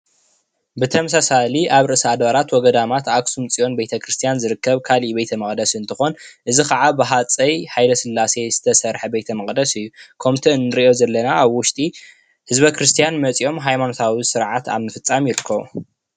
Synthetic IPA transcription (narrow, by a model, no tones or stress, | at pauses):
bɨt̪ʰɐmsasaliʔaβɾɨʔɨsad̪βaɾat̪wɔɡɐd̪amat̪aksumt͡sʼijo̞nbejt̪ʰɐkʰɾɨst̪ʰijanzɨɾɨkʰːɐβkʰalibejt̪ʰɐmɐχʼd̪ɐsɨnt̪ʰɨxo̞nʔɨzikɐʕabɨɦat͡sʼɐjħajlɐsɨlːase̞z̥ɨ̥t̪ʰɐsɐɾħɐbejt̪ʰɐmɐχʼd̪ɐsɨjːukʰɐmt̪ʰiɨnːɨɾio̞zɐlːɐnaaβwʊʃt̪ʼi | hɨzbɐkɾɨst̪ʰijanmɐt͡sʼio̞mɦajmano̞t̪ʰawisɨɾʕat̪a̰βnɨfɨt͡sʼːamjɪɾɨkʰːɐβṵ